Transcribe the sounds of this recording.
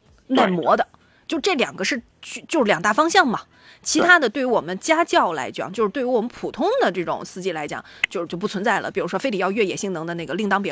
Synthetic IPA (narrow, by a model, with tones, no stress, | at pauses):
na˥˩nmwɔ˧˥d̪ə˧ | t͡ɕjo˥˧ʊʂʈ͡ʂɤ˥˩ljɑ̰˨˩ŋɡə˦ʂɻ̩˥˧ | t͡ɕy˥˧t͡ɕjo˥˧ʂɻ̩˥˩jɑ˨˩ŋt̪a˥˩fɑ˥ŋɕjɑ˥˩ŋmɐ˩ | t͡ɕʰi˧˥t̪ʰa˥d̪ə˨t̪we˥˩ɪy˥wɔ˨˩mə˦nt͡ɕja˥t͡ɕjɑ˥˩ʊla̰˧˥ɪt͡ɕjɑ̰˨˩˦ŋt͡ɕo˥˧ʂɻ̩˥t̪we˥˩ɪy˧˥wɔ˨˩mə˦npʰu˨˩t̪ʰʊ˥ŋd̪ə˨ʈ͡ʂɤ˥˩ʈ͡ʂʊ̰˨˩ŋsɹ̩˥˧t͡ɕi˥˩la˧˥ɪt͡ɕjɑ̰˨˩˦ŋt͡ɕjo˥˧ʊʂ̩˥t͡ɕjo˥˧ʊpu˥˩t͡sʰə˧˥nt͡sa˥˩ɪlə̰˩pi˨˩ɻu˧˥ʂwɔ˥fe˥ɪli˨˩jɑ˥˧ʊɥɛ˥˩jɛ˨˩ɕi˥˩ŋnɤ˧˥ŋd̪ə˧na˥˩ɡə˩li˥˩ŋt̪ɑ˥ŋpjɛ˧˥